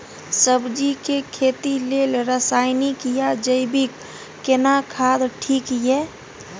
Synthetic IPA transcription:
səbd͡ʒikekʰet̪ilelɾəsaɪnikijad͡ʒəɪbikː | enakʰad̪ʈʰiːkjɛ

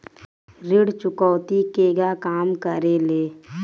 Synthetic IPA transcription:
ɾɪɽt͡ʃʊkɔːt̪ikeːɡakaːmkəɾeːleː

